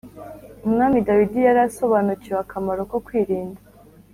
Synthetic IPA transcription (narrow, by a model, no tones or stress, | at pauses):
umŋaːmidawidijaɾaso̞βanucijwakʰamaɾo̞ko̞kwiːɾiːnda